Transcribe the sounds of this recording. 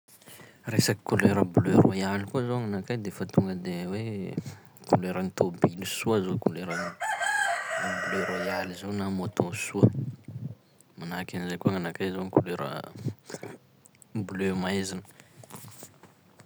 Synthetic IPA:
resaki̥kuleɾəblørojalikuzowŋanakajd̪efat̪uŋɡəd̪ewe | kuleɾənit̪obilusuəzokuleɾani | bløɾojalizownamot̪osuə | manakanizajkuaŋanakajzonikuleɾə̰ | blømajzinə̥

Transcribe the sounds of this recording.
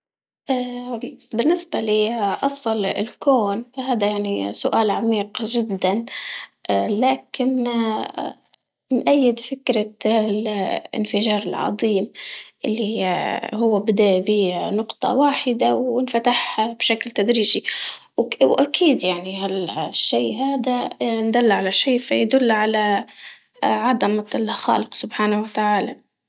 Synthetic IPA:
ʔaːbɪnːɪsbaliːʔɑsˤɨlɪ̰lkoːnfaɦaːd̪ajaʕnisʊʔaːlʕamiːqʒɪd̪ːanʔlaːkɪn | nʔajːɪd̪fɪkɾalʔɪ̰nfɪʒɑːɾˤɪlʕɑ̰ðˤiːmʔɪlːihʊwːabɪd̪aʔbiːnʊqt̪ˤɑ̰waːħɪd̪awɪnfat̪aħhabʃaklt̪ad̪ɾiːʒi | wwʔakʰiːd̪jaʕniɦalʃːiːɦaːd̪and̪alːʕalaʃeːfajad̪ʊlːʕala | ʕɑd̪amlxa̰ːlɪqsʊbħaːnawat̪aʕaːla

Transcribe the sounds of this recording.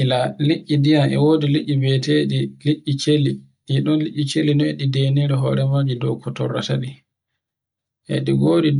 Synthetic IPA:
laliʔʲːidijamʔɛ̰woːdiliʔʲːibɛteɗiliʔːit͡ʃeli | ʔɛɗɔnliʔʲːit͡ʃelinɔeɗideːniɾɛɦɔːɾɛmad͡ʒidɔkʰɔtɔ̰ɾːataɗi | ʔɛ̰ɗiɡoːdi

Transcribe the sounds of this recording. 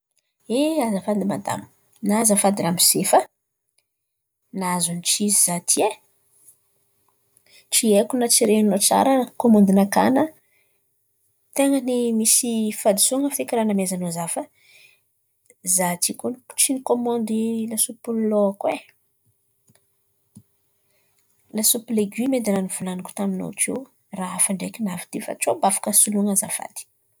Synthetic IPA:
eazəfand̪imad̪a̰mu̥ | nazəfad̪iɾamisefə | nazunit͡ʃiziz̥at̪ʰie | ʈ͡ʂiekunat͡siɾenot͡sa̰ɾəkomɔnd̪inaka̰nə | t̪eŋənimisifad̪i̥suŋəfekiɾanamezanozafə | zat͡sikunʈ͡ʂinikomɔ̃nd̪ilasupullokwe | lasupileɡimed̪ananivulanaku̥t̪amino̰kḛw | raafaɳɖ͡ʐekinavid̪ifa̰ʈ͡ʂobafḁkəsuluŋəza̰fa̰d̪i̥

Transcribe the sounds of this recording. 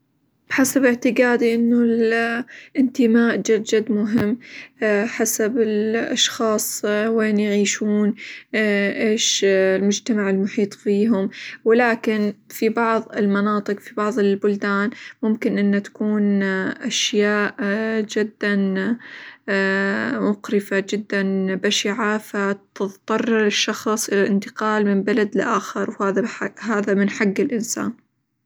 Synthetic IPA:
b̥ħasabɪʕt̪ɪɡaːd̪iʔɪnːʊl | ʔɪnt̪ɪmaːʔd͡ʒad͡ʒad̪mʊɦɪmː | ħasabɪlʔɑ̰ʃxɑːsˤweːnjɪʕiːʃuːn | ʔeːʃlmʊd͡ʒt̪amaʕɪlmʊħiːt̪ˤfiːɦʊmwɪlaːkɪnfibɑʕðˤɪlmɑnɑːt̪ˤɨqfibɑʕðˤɪlbʊld̪aːnmʊmkɪnʔɪnːat̪ḁkuːnʔaʃjaːʔd͡ʒɪd̪ːan | mʊqɾɪfad͡ʒɪd̪ːanbaʃɪʕafat̪ɨt̪ˤːɑrˤːɑɾɪʃːɑxsˤʔɪlalʔɪnt̪ɪ̥qɑːlmɪmbalad̪lɪʔaːxɪɾwhaːðaɦaːðamɪnħaɡːɪlʔɪnsa̰ːn

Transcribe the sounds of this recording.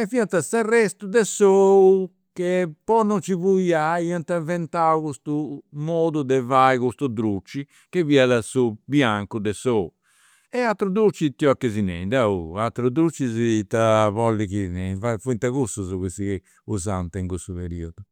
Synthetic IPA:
ɛfiat̪asarːɛst̪ud̪ɛsou | kepɔnɔnt͡ʃiβuiaiant̪avɛnt̪aukust̪umoːd̪ud̪ɛvaiɣust̪ud̪ɾut͡ʃːi | keviaðasubjaŋkud̪ɛsou | ɛat̪ːɾud̪ɾut͡ʃːit̪iɔkːezinɛ̰d̪aṵat̪ɾud̪ɾut͡ʃːizit̪aβɔlːikinɛvafuint̪aɣusuzuβusike | uzant̪ɛiŋkust̪uβeɾiɔdu

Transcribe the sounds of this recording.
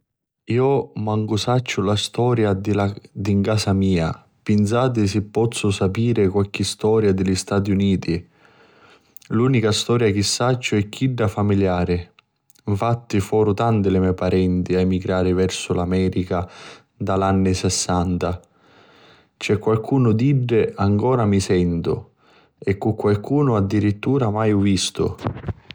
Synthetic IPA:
iːʊmaŋɡʊsat͡ʃːʊlast̪ɔːɾjad̪ɪlad̪iŋkaːsamiːa | pɪnsaːt̪̬ɪs̬ɪpːɔt̪sːʊsapiːɾɪkwalk̟ːɪst̪ɔːɾjad̪ɪlist̪aːt̪̬iuniːt̪i | luːnikast̪ɔːɾjak̟ɪsːat͡ʃːʊɛkːiɖːafamiljaːɾɪ | iɱfat̪ːifɔːɾʊt̪ant̪ɪlɪmɛpaɾɛnt̪iaɛmiɡɾaːɾɪvɛrsʊlamɛːɾika | d̪alanːɪsɛsːant̪a | t͡ʃɛkːwalkʰuːnʊd̪iɖːɪʔaŋkɔːɾamisɛnt̪ʊ̰ | ɛkːukːwalkuːnʊad̪ːiɾit̪ːuːɾamajɔvːist̪ʊ̰

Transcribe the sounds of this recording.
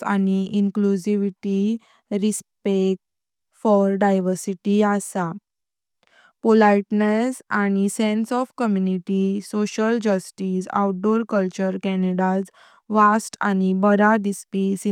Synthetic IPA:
a̰niʔiŋklud͡ʑiʋiʈi | ɾispek̚ʈ | fɔɾɖajʋəɾsiʈiasa | polajʈnesañisẽnsɔfkəmjuniʈisoɕəld͡ʑəsʈisa̰wʈ̚ɖoɾkəlt͡ɕəɾkɛneɽad͡z | ʋasʈa̰ñibəɾad̪ispisi

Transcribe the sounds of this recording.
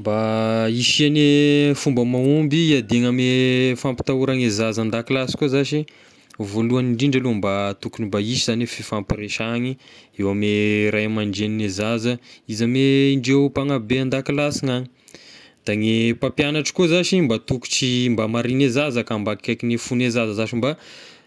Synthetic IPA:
mbaiʃianefumbəmaumbiiad̪eŋamefampi̥t̪auɾaŋezazand̪akilasi̥kozaʃi | voluaniɳɖ͡ʐiɳɖ͡ʐalumbat̪ukunimbaiʃizanefifampiɾeʃaɲiewameɾajamaɳɖ͡ʐeninezazəizameɳɖ͡ʐepaŋabeand̪akilasiŋaɲi | d̪̥aŋepapjanaʈ͡ʂḁkozaʃimbat̪uku̥t͡ʃimbamaɾinezazəkambakkakinefunezazəzaʃimba

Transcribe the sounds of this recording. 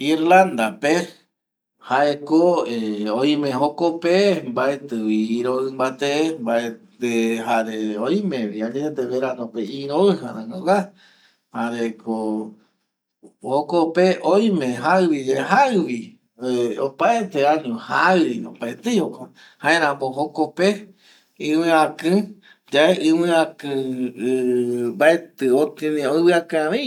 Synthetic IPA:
iɾland̪ape | haʔekoeoj̃mẽɦokopembaet̪ɨwiːɾoɨmbat̪embaet̪eɦaɾeojmẽβiaɲeet̪eβeɾanõpeĩɾoɨɦa̰ɾãŋowa | haɾeko | hokopeʔoj̃mẽɦaɨwid͡ʒeɦaɨβi | eopaet̪eaɲũha̰ɾinõ̰paet̪ejhoko | hãẽɾ̃ãmoɦokope | ɨ̃wɨ̃ãkɨ̃ | d͡ʒaeʔɨ̃wɨ̃ãkɨ̃ | mbaet̪ɨot̪ĩnĩoɨβɨakãβi

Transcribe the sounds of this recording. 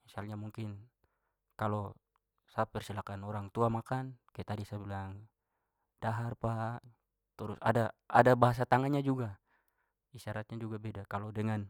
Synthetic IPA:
isalɲamuŋkɪn | kalo | sap̚pɛrsilakanɔɾaŋt̪uamakankajat̪adisabilaŋ | d̥aɦarpa | t̪əɾʊsa̰daadabaɦas̬at̪aŋanɲad͡ʒuɡa | iʃaɾat̪̚ɲad͡ʒuɡabedakalodɛŋan

